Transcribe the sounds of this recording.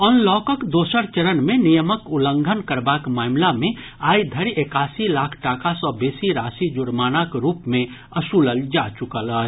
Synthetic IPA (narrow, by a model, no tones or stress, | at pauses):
ɔːnlɔːkəkd̪oːsəɾt͡ʃəɾənmẽnijəməkʊlə̃ŋɡʱənkəɾbaːkmaːmlamẽ | aːid̪ʱəɾiekaːsilaːkʰʈaːkʰasɔbeːsiɾaːsid͡ʒʊɾmaːnakɾuːpmẽ | əsuləld͡ʒat͡ʃʊkələ